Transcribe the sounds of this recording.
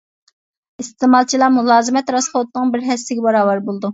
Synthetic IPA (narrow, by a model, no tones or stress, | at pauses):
ist̪eːmɑlˠt͡ʃʰilˠɑmulˠɑːzɨmɛt̪ɾɑsχot̪nɨŋbɪɾɦɛsːɪɡʲɛbɑɾɑːwɑɾbolˠd̪u